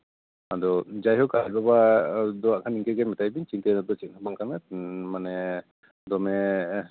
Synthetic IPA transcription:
ad̪ɔd͡ʒajɦɔkat̚babad̪ɔwaʔkʰaniŋkɛɡɛmɛt̪ajbiɲt͡ʃint̪ɛnɔd̪ɔt͡ʃit̪̚hɔbaŋkanamanɛ | d̪ɔmɛ

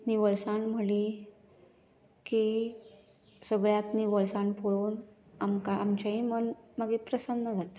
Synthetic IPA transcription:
niʋəɭsãnm̤əli | ki | səɡɭjakniʋəɭsãnpʰoɭuːn | amkaamt͡ɕaɦimənməɡiːpɾəsənːəd͡zʱat̪ḁ

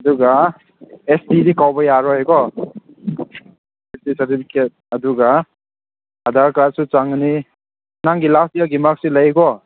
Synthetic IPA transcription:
ɐduɡa | esdidikawbajaɾɔhajɡɔ | esisɐɾtipʰiket̚ɐduɡa | hadaɾkaɾsut͡ʃaŋni | naŋɡilastijaɡimak̚silajɡɔ

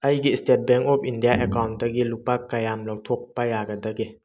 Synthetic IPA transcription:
ɐjɡistet̚bɛŋkɔpʰindijaʔɛkawnt̚daɡiluk̚pakːajamlawtʰok̚pajaɡadaɡi

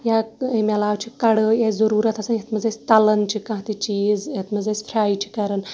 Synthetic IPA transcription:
jaemʲɐlaːwt͡ʃʰikɐɽəjezɐɾuːɾɐt̪ʰɐsanjet̪mɐzesʲt̪ɐlɐnt͡ʃikɐ̃ɦt̪it͡ʃiːzjet̪mɐzesfʰɾʲaːit͡ʃʰi̥kɐɾən

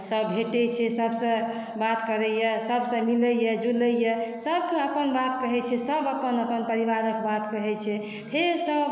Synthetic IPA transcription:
səbbʱeʈɛt͡ʃʰɛsəbsə̃ | bat̪kəɾɛjɛsəbʱsə̃miləjɛd͡ʒuləjɛsəb̚kə̃əpənbat̪kəɦɛt͡ʃʰɛsəbəpənəpənpəɾiβaɾəkbat̪kəɦɛt͡ʃʰɛ | pʰeɾsəb

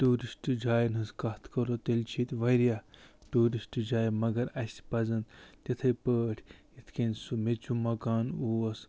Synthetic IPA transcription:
ʈuːɾisʈɨd͡ʒaːjnɨskɐt̪ʰkɐɾot̪elʲt͡ʃʰit̪ʋɐjɾjaʈuːɾisʈd͡ʒaːjmɐɡɐɾɐsʲpɐzɐnt̪ʲɐt̪ʰɐjpəːʈʰʲjit̪ʰkensumet͡ʃumɐkaːnuːɐs

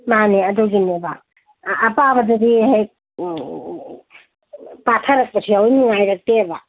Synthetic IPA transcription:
maneɐdɔɡinebaː | pabɐdudiɦaj | patʰaɾɐk̚pɐsʰiawjnuŋajɾɐk̚teba

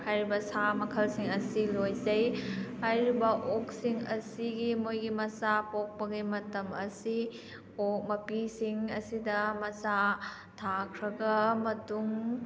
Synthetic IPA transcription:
hajɾibɐsamɐkʰɐlsiŋɐsilojzɐjhajɾibɐʔok̚siŋɐsiɡimojɡimɐsapok̚pɐɡimɐtɐmɐsi | ok̚mɐpisiŋɐsidɐmɐsa | tʰakʰɾɐɡɐmɐtuŋ

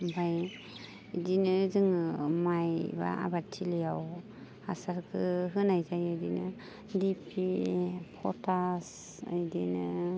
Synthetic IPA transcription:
bʱaj | dinɯzɯŋmajba̰ʔa̰batʰilijaw | asaɾkʰɯɦɯnajzajɯdinɯ | dipʰipʰɔtʰas | ɯ̰jdinɯ

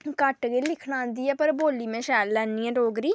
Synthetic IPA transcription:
kəʈɡeːlɪkʰɳãːnd̪iːɛːpəɾboːliːmẽːʃɛːlːɛːnːiːɛ̃ːɾoːɡɾiː

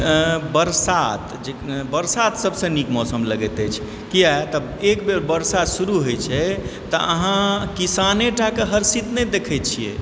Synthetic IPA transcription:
bəɾsat̪d͡ʒebəɾsat̪səbsə̃nikmɔsəmləɡɛt̪ɛt͡ʃʰ | kijat̪ə | ekbeɾbəɾsat̪suɾuɦojt͡ʃʰɛt̪ɔ̰ʔə̰ɦãkisaneʈʰakeɦəɾsit̪nɛd̪ekʰɛt͡ʃʰiḛ

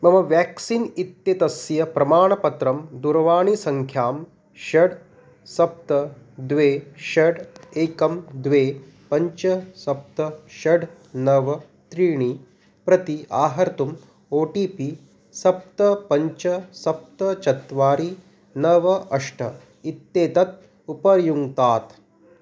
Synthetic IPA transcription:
mɐmɐʋjaːksinit̪jɐt̪ɐsjɐpɾɐmaːɳɐpɐt̪ɾɐmd̪uɾɐʋaːɳisɐŋkʰjaːm | ʃɐɽ | sɐp̚t̪ɐd̪ʋeːʃɐɖeːkɐmd̪ʋeː | pɐɲt͡ʃɐsɐp̚t̪ɐʃɐɖ | nɐʋɐ | t̪ɾiːɳi | pɾɐt̪iʔaːɦɐɾt̪um | oːʈiːpi | sɐp̚t̪ɐpɐɲt͡ʃɐsɐp̚t̪ɐt͡ʃɐt̪ʋaːɾi | nɐʋɐʔɐʂʈʰɐ | it̪ːeːt̪ɐt̪̚ | upɐɾjuŋt̪aːt̪

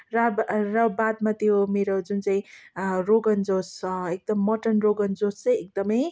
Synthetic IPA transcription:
ɾabrʌbad̪̚mat̪jomeɾod͡zunt͡saĩɾoɡʌnd͡zosek̚d̪ʌmːʌʈʌnroɡʌnd͡zost͡sʌjek̚d̪ʌmʌj

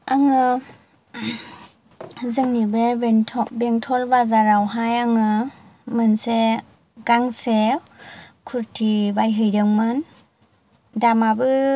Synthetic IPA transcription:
aŋɯ | zɯŋnibebtʰɔbeŋtʰɔlbazaɾawɦajaŋɯmɯnse | ɡ̥aŋse | kʰuɾtʰibajɦɯjdɯŋmɯn | damabɯ

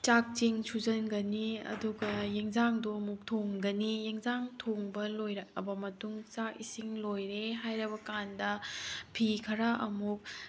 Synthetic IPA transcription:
t͡ʃak̚t͡ʃiŋsuzɐnɡɐniɐ̰duɡɐjeŋzaŋduɐmuk̚tʰoŋɡɐnijeŋzaŋtʰoŋbɐlojɾakɐ̰bɐmɐtuŋt͡ʃak̚isiŋlojɾeɦajɾɐbɐkandɐpʰikʰɐɾaʔɐmuk̚

